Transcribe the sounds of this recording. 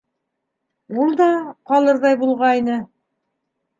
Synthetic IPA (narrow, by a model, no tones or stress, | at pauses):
ulˠd̪ɑqɑlˠɤɾðɑjbulˠʁɑjnɤ